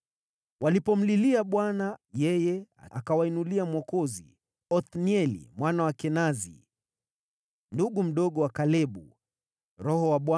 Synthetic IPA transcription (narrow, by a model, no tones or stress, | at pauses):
walipɔm̩liliaɓwanajɛjɛa̰a̰kawainuliamwɔkɔzḭ | ɔθniɛlḭmwanawakɛnazḭ | nduɠum̩ɗɔɠɔwakalɛɓu | ɾɔhɔwaɓwa